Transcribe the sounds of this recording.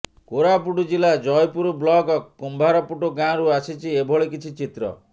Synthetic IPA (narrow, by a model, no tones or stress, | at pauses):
koɾapuʈud͡ʒilad͡ʒɔjpuɾublɔɡɔkːumbʱaɾɔpuʈoɡãɾuasit͡ʃʰiebʱɔɭekit͡ʃʰit͡ʃit̪ɾɔ̰